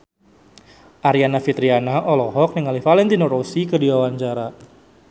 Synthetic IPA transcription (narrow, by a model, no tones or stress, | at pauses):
ʔaɾianafit̪ɾianaʔɔlɔɦɔk̚niŋalifalɛnt̪inɔɾosikədiwawaɲt͡ʃaɾa